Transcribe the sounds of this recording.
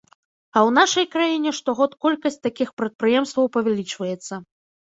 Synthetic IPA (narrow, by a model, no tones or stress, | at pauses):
ɐwn̪aʂɐjkɾajinʲɛʂt̪ɔɣɔt̪kɔlʲkɐsʲt͡s̚ʲt̪akʲixpɾɐt̪̚pɾɨjɛmst̪vɐwpɐvʲalʲit͡ʂvɐjɛt̪sːɐ